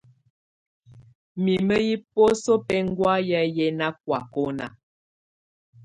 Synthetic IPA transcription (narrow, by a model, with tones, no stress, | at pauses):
mi˨mə˦ji˦po˦so˦pɛ˦ŋ̩˦ɡwa˦ja˦jɛ˦na˦k̚wa˨ko˦na̰˨